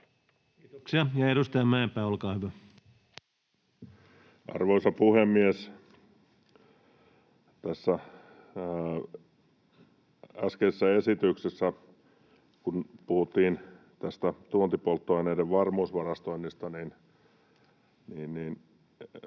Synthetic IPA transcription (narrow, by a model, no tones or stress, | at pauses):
it̪oksiɑjɑeɾust̪ɑjɑmæːmpæːolkɑːhyʋæ | ʔɑ̰rʋoisɑpuhemːies | t̪æsːæ | æskeesːæesit̪yksesːæ | kunpuhut̪ːiːn | t̪æst̪æt̪uont̪ipolt̪ːoɑineideʋʋɑrmuːsʋɑrɑst̪oinːist̪ɑnin | niːnniːn